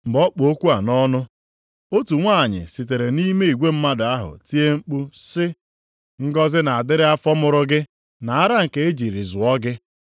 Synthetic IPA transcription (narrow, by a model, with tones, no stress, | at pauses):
m̩˨bɔ˦k͡po˨o˦kʷu˦a˨nɔ˦nʊ˦ | o˦tu˨ŋʷa˦˨ɲɪ̰˨si˨te˨ɾe˨ni˦me˦i˨ɡʷe˦m̩˦ma˦da˦ɦʊ̰˨ti˦e˦ŋ͡m̩˦k͡pu˦sɪ˦ | ŋ̩˦ɡɔ˦zɪ˦na˨a˨dɪ˦ɾɪ˦a˦fɔ˦mʊ˦ɾʊ˦ɡɪ˦ | na˨a˦ɾa˦ŋ̩˨ke˨e˦d͡ʒi˨ɾi˨zʊ˨ɔ˦ɡɪ˦